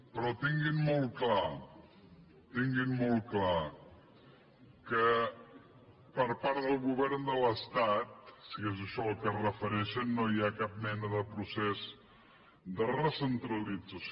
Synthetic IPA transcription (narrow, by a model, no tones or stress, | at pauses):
pɾɔt̪iŋɡinmɔlˠkla | t̪iŋɡinmolˠkla | kə | pəɾpaɾðəlˠɣuβ̞ɛɾnd̪ələst̪at̪̚siezəʃɔlˠkərəfəɾɛʃənːojakap̚mɛnəðəpɾusɛz | d̪ərəsənt̪ɾəlid͡zəs